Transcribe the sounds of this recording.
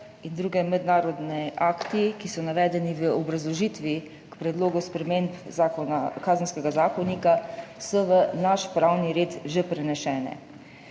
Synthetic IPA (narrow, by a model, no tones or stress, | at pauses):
ind̪ɾuːɡɛmɛd̪naːɾɔd̪nɛʔaːkt̪ikisɔnaʋɛːd̪ɛniʋəɔbɾazlɔʒit̪ʋi | kpɾɛd̪loːɡuspɾɛmeːmpzakɔnakaːzənskɛɡazaːkɔnikasɔʋənaʃpɾawniɾeːt̪ʒepɾɛnɛʃɛːnɛ̰